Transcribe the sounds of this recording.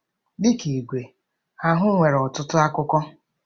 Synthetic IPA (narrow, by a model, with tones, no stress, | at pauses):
dɪ˦ki˨ɡʷe˨ | a˦ɦʊ˦ŋʷe˨ɾɔ˨tʊ˦tʊ˦a˦kʊ˦kɔ˦